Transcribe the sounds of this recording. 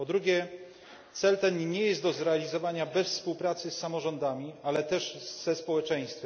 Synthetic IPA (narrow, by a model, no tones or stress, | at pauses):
pɔd̪ɾuɡʲɛ | t̪sɛlt̪ɛnɲɛjɛst̪d̪ɔzɾɛalʲizɔvaɲabɛsfspuwpɾat̪sɘsːamɔʐɔnd̪amʲialɛt̪ɛʂz̥ɛspɔwɛt͡ʂɛj̃st̪fʲɛm